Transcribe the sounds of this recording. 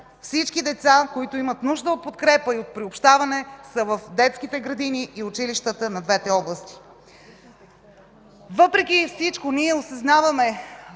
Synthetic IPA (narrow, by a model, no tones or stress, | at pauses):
fsit͡ʃkid̪ɛt̪sakoit̪ʊimət̪nuʒd̪əot̪̚pot̪kɾɛpəiot̪̚pɾiopʃt̪avɐnɛsəvəfd̪ɛt̪skit̪ɛɡɾɐd̪iniʔːʊt͡ʃiliʃt̪ət̪ənɐd̪vɛt̪ɛɔblˠəst̪i̥ | vɤpɾɛkʲifsit͡ʃkoniɛosɐznavəmɛ